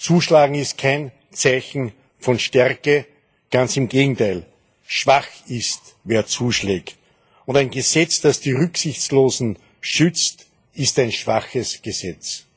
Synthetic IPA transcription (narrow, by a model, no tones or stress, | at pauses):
t͡suːʃlaːɡŋ̩ɪst̚kʰæɪn | t͡saɪçn̩ | fɔnʃtɛʁkə | ɡ̥ant͡sɪmɡeːɡŋ̩tʰaɪl | ʃv̥axɪstveːɐt͡suːʃlɛːkt | ʊntæɪnɡəzɛt͡sd̥asd̥iːʁʏksɪçt͡sloːzn̩ | ʃʏt͡st | ɪstæɪnʃv̥axəsɡ̥əzɛt͡s